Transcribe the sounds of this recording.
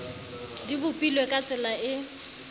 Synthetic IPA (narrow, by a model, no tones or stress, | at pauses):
dibʊpʼilwekʼat͡sʼɪlaɪ